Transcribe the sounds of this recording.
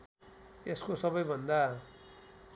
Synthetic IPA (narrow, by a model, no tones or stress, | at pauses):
eskosʌbʌjbʱʌnd̪a